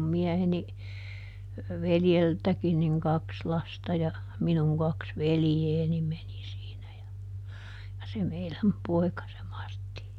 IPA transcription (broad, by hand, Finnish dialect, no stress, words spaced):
miɛheni ʋeljeltækin niŋ kɑks lɑstɑ jɑ minuŋ kɑks ʋelĭjeːni meni siːnæ jɑ jɑ se meilæm poi̯kɑ se mɑrtːi